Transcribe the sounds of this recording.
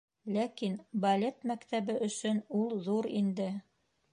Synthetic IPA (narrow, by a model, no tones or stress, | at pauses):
lækinbɐlʲet̪mækt̪æβɘʔɵ̆sɵnulˠðuɾind̪ɘ